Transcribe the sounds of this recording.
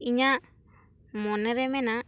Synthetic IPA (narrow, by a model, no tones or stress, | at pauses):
iɲa | mɔnɛɾɛmɛna